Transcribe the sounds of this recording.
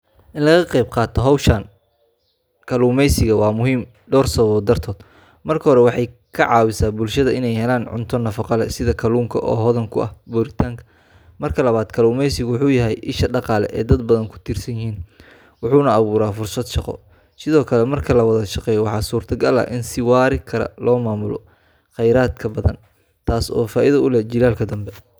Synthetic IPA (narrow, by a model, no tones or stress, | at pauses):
ʔɪnlɐɣɐqɛjb̚qɑːt̪ʰɔɦɐwʃaːn | kʰɐluːmɛjsɪɣɐwɑːmʊɦiːm | ɖɔːrsɐβɔːd̪ɐrt̪ʰɔːd̪ | mɐrkʰɐɦɔɾɛwɑħɑjkʰɐʕɑːwɪsaːbʊlʃɐðɐʔɪnɛjɦɛlaːnʕʊ̰nt̪ʰɔnɐfɑqɑlɛsɪðɐkʰɐluːmkʰɐʔɔ̰ːɦɔðɐŋkʰʊʔɐ̰hbuːɾɪt̪ʰaːŋkʰɐ̥ | mɐrkʰɐlɐβaːd̪kʰɐluːmɛjsɪɣʊwʊħuːjɐɦɛjʔɪʃɐɖɑqɑːlɛ̰ʔɛːd̪ɐd̪̚bɐðɐŋkʰʊ̥t̪ʰiːrsɐjɪhiːn | wʊħuːnɐːβuːɾaːfʊrsɐd̪ʃɑqɔ̰ | sɪðɔːkʰɐlɛmɐrkʰɐlɐwɐðɐʃɑqɛːjɔwɑħɑːsuːrt̪ʰɐɡɐlɐ̰ʔɪnsɪwɑːɾɪkʰɐɾɐ̰lɔːmaːmʊlɔ̰ | χɛjɾaːd̪kʰɐbɐðɐ̰n | t̪ʰaːsɔ̰ːfaːʔɪðɐʊlɛd͡ʒɪlaːlkʰɐd̪ɐmbɛ